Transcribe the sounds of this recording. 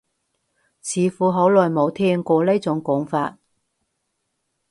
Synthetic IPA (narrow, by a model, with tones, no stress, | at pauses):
t͡sʰiː˨˧fuː˨˥ɦo˨˥wlɔː˨jmo˨˧wt̪ʰɛː˥ŋkʷɔː˧le˥t͡sʊ˨˥ŋkʊ˨˥ŋfa̰ː˧t̚